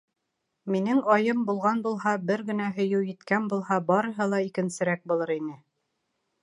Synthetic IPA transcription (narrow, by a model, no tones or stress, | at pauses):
minɘŋɑjɤmbulˠʁɑnbulˠɦɑbɘɾɡɘ̆næɦɵ̆jɘwjɘ̆t̪kænbulˠhɑbɑɾɤ̆ɦɤlˠɑikɘ̆nsɘ̆ɾæk̚bulˠɤɾinɘ